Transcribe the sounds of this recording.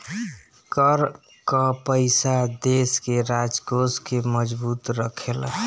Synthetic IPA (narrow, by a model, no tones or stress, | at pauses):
kəɾ | kəpəɪsad̪eskeɾad͡ʒɡoskeməd͡ʒbuːt̪ɾəkʰel